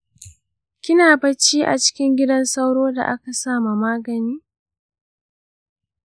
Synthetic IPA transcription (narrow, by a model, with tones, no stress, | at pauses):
kʲɪ˦naː˨bɐ˦t͡ʃːiː˦ʔa̰˨t͡ʃɪ̥˦kʲɪ˦ŋɡʲɪ˦dɐ˦nsɐ˦wɽoː˦da̰˨ʔa˦ka˨saː˦ma˨maː˦ɡɐ˨niː˦